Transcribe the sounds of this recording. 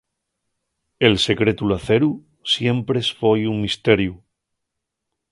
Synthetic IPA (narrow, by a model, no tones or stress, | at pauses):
e̞lse̞kɾe̞t̪ulaθe̞ɾu | sje̞mpɾe̞sfojuŋmist̪e̞ɾju